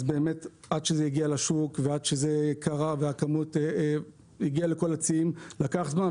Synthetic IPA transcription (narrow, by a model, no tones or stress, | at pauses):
zbe̞ːmet | adʃezejiɡialaʃukvead̪ʃezekʰaʁaveakamute | iɡialeko̞lat͡siimlakaχzma